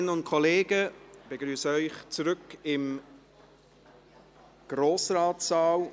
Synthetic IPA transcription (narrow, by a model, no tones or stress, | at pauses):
nəʊntkʰɔleːɡəb̥eɡɾyːsəœʏχt͡suɾʏkɪm | ɡ̥roːsraːtsaːl